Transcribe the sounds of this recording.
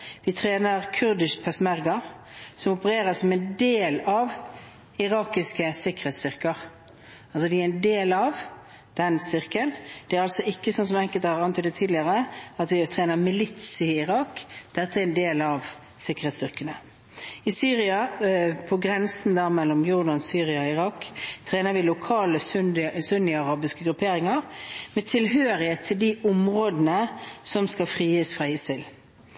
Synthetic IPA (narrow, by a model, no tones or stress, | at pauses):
ʋɪt̪ʰʁeːnəʁkʰʉɾd̪ɪʃpʰɛsmæʁɡɑ | sɔmɔpəɾeːɾəsɔmɛnd̪eːlɑʋ | ɪɾɑːkɪskəsɪkːəʁhɛːt̪st̪ʏʁkəʁ | ɑls̬ɔd̪ɪæɾɪnd̪eːlɑʋ | d̪̥ɛnst̪ʏʁkənd̪̥ɛæɾɑlsɔɪkːəsɔnsɔmɛŋkəlt̪hɑʁɑnt̪ɔd̪ɛt̪ʰiːd̪lɪəʁəɑt̪ʋɪt̪ʰʁeːnəʁmɪlɪt̪sɪɪʁɑːkd̪̥ɛt̪ːəæɛɾɛnd̪eːlɑʋ | sɪkːəʁet̪st̪ʏʁkənə | ɪsyːʁɪɑpʰɔɡɾɛnsn̩d̪æːʁmɛlːɔmjʊʁd̪ɑnsyːʁɪɑɔɪʁɑkt̪ʰʁeːnəʋɪlʊkʰɑːləssʉnɪɑʁɑːbɪskəɡɾʉpʰeːɾɪŋəʁmɛt̪ʰɪlɦøːɾɪheːt̪ʰːɪld̪iʔʊmʁoːd̪nəsɔmskɑfʁiːəsfʁæɪəsɪl